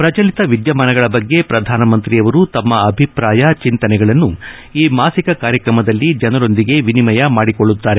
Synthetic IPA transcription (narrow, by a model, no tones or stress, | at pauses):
pɾɐt͡ʃɐlit̪ɐʋid̪jɐmanɐɡɐɭɐbɐɡːe̞pɾɐd̪ʱaːnɐmɐnt̪ɾijɐʋɐɾut̪ɐmːɐːbʱipɾaːjɐt͡ʃint̪ɐnɛɡɐɭɐnːu | iːmaːsikɐkaːɾjɐkɾɐmɐd̪ɐlːid͡ʒɐnɐɾo̞nd̪iɡe̞ʋinimɐjɐmaːɽikoɭːut̪ːaːɾe